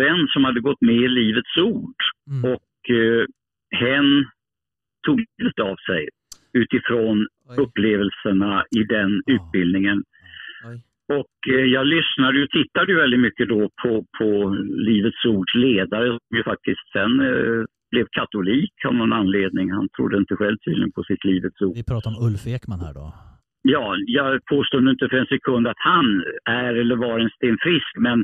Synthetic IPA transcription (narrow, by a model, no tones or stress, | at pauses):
vɛnːsɔmhad̪ːəɡɔt̪ːmɛɪliːvət̪suːɖɔk | hɛnː | t̪ʰuːɡliːvət̪avsɛj | ʉ̟ːt̪ɪfɾon | ɵpːleːvəlsəɳaɪd̪ɛnʉ̟ːt̪̚bɪld̪nɪŋən | ɔkjɑːɡlʏsnad̪əjt̪ʰɪt̪ːad̪əjɵvɛld̪ɪt̪mʏkːəd̪ɔpʰɔpʰɔliːvət̪suːɖʂleːd̪aɾəɔmjɵfak̚t̪ʰɪst̪sɛn | b̥lɛvkʰat̪ʊliːkʰa̰vnɔnanleːd̪̚nɪŋhant̪ʰɾʊ̰d̪ːəɪnt̪əɧɛlvt̪ʰy̰ːd̪lɪɡə̰npʰɔsɪt̪ʰliːvət̪suːɾɑːt̪ɔɵlfeːkmanhæ̰ːɖɔ | jɑːjɑːɡpʰoːst̪uːnəɪnt̪əfœɾɛnsɛkʰɵnd̪at̪hanæɾɛlːəɾvaɾɛnst̪eːnfɾɪskmɛn